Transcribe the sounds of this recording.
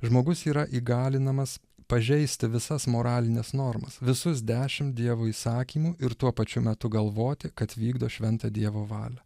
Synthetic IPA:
ʒmoːɡʊsiːɾɐʔiːɡɑːlʲɪnɐmɐs | pɐʒʲɛɪsʲt̪ʲɪʋʲɪsɐsmoːɾɑːlʲɪnʲɛsnoːɾmɐsʋʲɪsʊsd̪ʲæːʃʲɪmd̪ʲiɛʋoːiːsɑːkʲiːmuːɪɾt̪uɔpɐt͡ʃʲʊmʲɛt̪ʊɡɐlˠʋoːt̪ʲɪkɐt̪ʋʲiːɡd̪oːʃʲʋʲɛnt̪ɑd̪ʲiɛʋoːʋɑ̰ːlʲɛ

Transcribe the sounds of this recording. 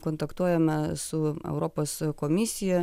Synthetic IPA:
koːnt̪ɐkt̪uɔjɛmʲɛsʊɛ̰ʊɾoːpoːskomʲɪsʲɪjɛ

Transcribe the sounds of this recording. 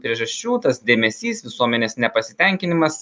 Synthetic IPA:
pʲɾʲiɛʒɐsʲt͡ʃʲuːt̪ɐsd̪ʲeːmʲɛsʲiːsʋʲɪsuɔmʲɛnʲeːsnʲɛpɐsʲɪt̪ʲɛŋʲkʲɪnʲɪmɐs

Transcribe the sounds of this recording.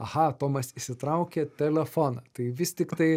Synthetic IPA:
ɐhɐt̪oːmɐsisʲɪt̪ɾɐˑʊkʲɛt̪ʲɛlʲɛfoːnɐt̪ɐɪʋʲɪst̪ʲɪkt̪ɐɪ

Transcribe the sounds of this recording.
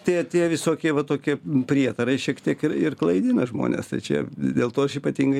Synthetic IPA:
t̪ʲɛt̪ʲiɛʋʲɪsoːkʲiɛʋɐt̪oːkʲiɛpʲɾʲiɛt̪ɐɾɐɪʃʲiɛkt̪ʲiɛkɪɾɪrklˠɐɪd̪ʲɪnɐʒmo̰ːnʲḛst̪ɐɪt͡ʃʲɛ̰d̪ʲeːlˠt̪oːɐʃiːpɐt̪ʲiŋɡɐɪ

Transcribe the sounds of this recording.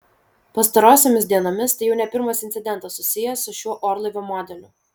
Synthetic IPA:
pɐst̪ɐɾoːsʲeːmʲɪsʲd̪ʲiɛnoːmʲɪst̪ɐɪjɛʊnʲɛpʲɪɾmɐsɪnt̪sʲɪd̪ʲɛnt̪ɐssʊsʲɪjɛsʊʃʲuɔʔɔːɾlˠɐɪʋʲomɔːd̪ʲɛlʲʊ

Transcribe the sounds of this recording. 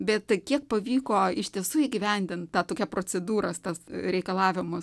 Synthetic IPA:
bʲɛt̪kʲiɛkpɐʋʲiːkoːɪʃʲt̪ʲiɛsuːɪɡʲɪʋʲɛnʲd̪ʲɪnt̪tɑːt̪oːkʲɛpɾoːt͡sʲɛd̪uːɾɐst̪ɐsɾʲɛɪkɐlˠɑːʋʲɪmʊs

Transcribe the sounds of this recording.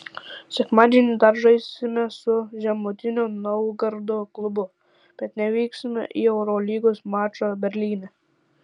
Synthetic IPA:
sʲɛkmɑːd̪ʲinʲɪd̪ɐɾʒɐjsʲɪmʲɛsʊʒʲɛmʊt̪ʲɪnʲoːnɔwɡɐɾd̪oklˠʊbʊ | b̥ʲɛt̪nʲɛʋʲiːksʲɪmʲɛ̰ʔḭɛʊɾolʲiːɡoːsmɑːt͡ʃobʲɛɾʲlʲiːnʲɛ

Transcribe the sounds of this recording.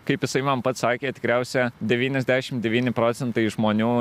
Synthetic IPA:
kɐɪpjɪsɐɪmɐmpɐt̪sɑːkʲeːt̪ʲɪ̥kɾʲɛʊsʲɛd̪ʲɛʋʲiːnʲɛzʲd̪ʲæːʃʲɪmd̪ʲɛʋʲiːnʲɪpɾoːt̪sʲɛnt̪ɐɪʒmoːnʲuː

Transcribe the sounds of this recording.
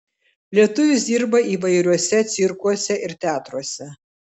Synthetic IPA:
lʲiɛt̪ʊʋʲʊsd̪ʲiːɾbɐiːʋɐɪɾʲuɔsʲɛt̪sʲɪɾkuɔsʲɛʔɪɾt̪ʲæːt̪ɾuɔsʲɛ

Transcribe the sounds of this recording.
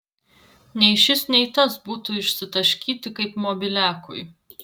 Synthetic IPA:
nʲɛɪʃʲɪsnʲɛɪt̪ɐsbuːt̪ʊɪʃʲsʲɪt̪ɐʃʲkʲiːt̪ʲɪkɐɪpmoːbʲɪlʲæːkʊ̰j

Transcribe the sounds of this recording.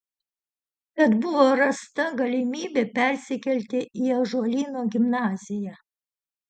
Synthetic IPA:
kɐd̪bʊʋoːɾɐst̪ɐɡɐlʲɪmʲiːbʲepʲɛˑɾʲsʲɪkʲɛlʲt̪ʲɪiɛʒoɔlʲiːnoːɡʲɪmnɑːzʲɪjæː

